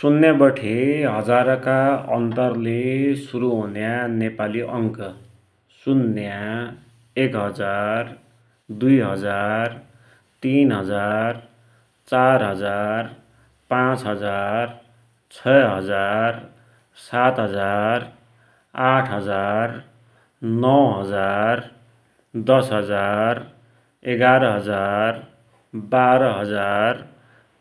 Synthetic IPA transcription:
sunːjabʌʈʰeɦʌd͡zaɾʌkaʌnt̪ʌrlesuɾuɦunjanepaliʔʌŋkʌ | sunːja | ekɦʌd͡zar | d̪ujɦʌd͡zar | t̪inɦʌd͡zar | t͡sarɦʌd͡zar | pãt͡sɦʌd͡zar | t͡sʰʌɦʌd͡zar | sat̪ɦʌd͡zar | aʈʰɦʌd͡zar | nʌw̃ɦʌd͡zar | d̪ʌsɦʌd͡zar | eɡaɾʌɦʌd͡zar | baɾʌɦʌd͡zar

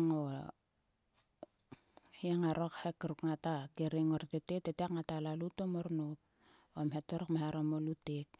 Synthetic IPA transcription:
ŋo | hieŋaɾokhekːaɾukŋatakeɾeŋoɾteteteteakŋatalalutomoɾnop̚ | omɦetoɾokmahaɾomolutek̚

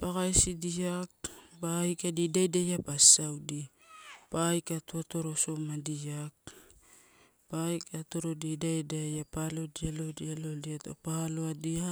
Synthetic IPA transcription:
paɡajsidiakbajkadidajdajapasawdi | pajkatuato̞ɾo̞so̞madiak̚ | pajkato̞ɾo̞didajdajapalo̞dialodialo̞diato̰paloadia

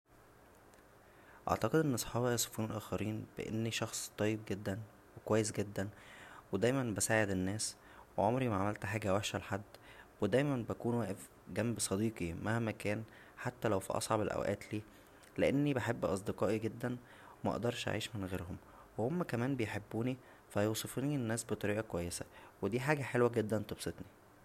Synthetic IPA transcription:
ʔɑ̰ʕt̪ɑqed̪ʔenːʔɑsˤħɑːbjæso̥fuːnelʔæːxæɾiːnb̥ḛʔḛnːiʃɑxsˤt̪ˤɑjːeb̚ɡed̪ːæn | wekowæjːes̬ɡed̪ːænwed̪æjmænbæsaːʕed̪enːæːs | weʕomɾimæʕamælt̪ħaːɡæwæħʃælħad̪ːwed̪æjmænbækuːnwæːʔef | ɡæmbsˤɑd̪iːqimæhmækæːn | ħat̪ːælæwfḭʔɑ̰sˤʕɑbelʔæ̰wʔæ̰ːt̪liː | leʔenːibeħebːʔɑs̬ˤd̪eqɑːʔiɡed̪ːæn | wemæʔḛʔd̪ɑɾˤʃʔa̰ʕiːʃmenɣeːɾhom | wehomːækæmæːnbejħebːuːni | fæjoːsˤefiːninːæːsbet̪ˤɑɾiːʔækowæjːesæwed̪iːħaːɡæħelwæɡed̪ːænt̪ˤobsˤet̪ni

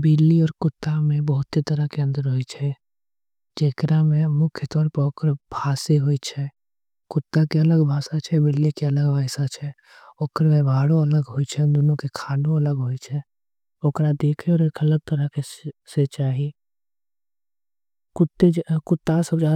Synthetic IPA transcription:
bɪlːiɔːɾkʊt̪ːamẽbɔɦʊt̪sit̪əɾəkeə̃nd̪əɾɦoit͡ʃʰɛ | d͡ʒeːkɾamẽmʊkʰjət̪ɔːɾpəoːkɾbʱaːseɦoit͡ʃʰɛ | kʊt̪ːakeɐləɡbʱaːsat͡ʃʰɛbɪlːikeɐləɡbʱaːɪsat͡ʃʰɛ | oːkɾmẽbʱaːɽõɐləɡɦoit͡ʃʰɛd̪ʊnõkekʰaːnõɐləɡɦoit͡ʃʰɛ | oːkɾad̪eːkʰeɔːɾeːkɐləɡ̚t̪əɾəkeset͡ʃaːɦi | kʊt̪ːekʊt̪ːasəbd͡ʒaː

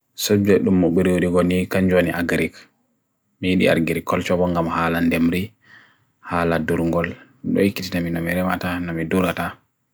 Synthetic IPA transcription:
sod͡ʒɛɗumːɔɓiɾiwoɗiɡɔnikaɲd͡ʒoniʔaɡɾik | mijiɗḭa̰ɾɡiɾikɔlt͡ʃɔbɔŋɡamhaːlandemɾi | haːladuɾŋɡɔl | ɗɔ̰jikːititaminɔmiɾɛmatanɔmiduɾata

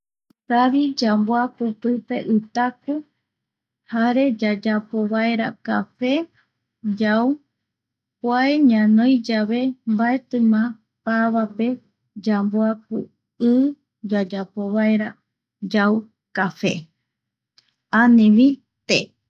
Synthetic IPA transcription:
ɾaβid͡ʒamboapupɨpe̞ʔɨt̪aku | haɾe̞d͡ʒad͡ʒapo̞βaeɾa̰kafe̞ | d͡ʒaw | pwaeɲãnõjd͡ʒaβe̞mbaet̪ɨ̃mã | paβape̞ | d͡ʒamboap̚u | ɨ | d͡ʒad͡ʒapoβaeɾa | d͡ʒaw | kafe̞̰ | anẽβi | t̪e

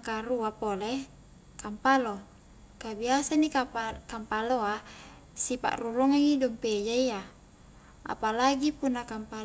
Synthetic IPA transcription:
kaɾuapole | kampalo | kabiasanikakampaloa | sipa̰ʔruluŋaŋidɔmped͡ʒaia | a̰palaɡipunːakampa

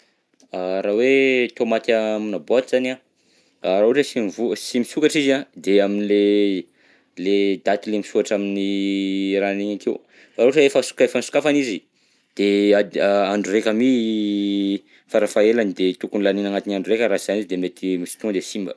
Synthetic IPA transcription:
aɾawet̪omat̪amunabot̪iz̥ana | aɾauʈ͡ʂəsimivusimisukaʈ͡ʂizad̪eaminile | led̪at̪ilemisuaʈ͡ʂamini | ɾaneɲakew | aɾuʈ͡ʂəefəsu̥kefənisu̥kafanizi | d̪̥eaaaɳɖ͡ʐurekʲami | faɾafaelanid̪et̪ukunilaninaŋat̪inaɳɖ͡ʐuɾekʲəɾaiz̥anizid̪emet̪ʰimisi̥t̪ũd̪esimbə̰

